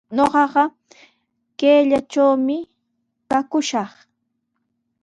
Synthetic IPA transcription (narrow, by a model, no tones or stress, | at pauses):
ɲoɢɑɢɑ | keːʎat͡ʃawmɪ | kakʊʃɑχ